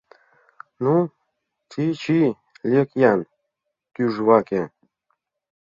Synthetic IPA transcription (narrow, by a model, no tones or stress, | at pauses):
nu | t̪ʲʰit͡ʃʰi | lʲekjan | kʲyʐwakʲe